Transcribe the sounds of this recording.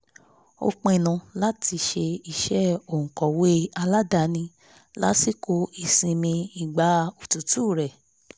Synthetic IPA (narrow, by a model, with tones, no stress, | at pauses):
o̰˧k͡pẽ˧i˧˨nũ˧la˦ti˧ʃe˧i˦˧ʃɛ˦o˨ŋ̩̃˨kɔ̃˨we˦a˧la˦da˧˨nĩ˧ | la˦si˦˨ko˧˦i˧sĩ˧mĩ˧i˨ɡ͡ba˨˦o˨tu˨tu˦˨ɾɛ˨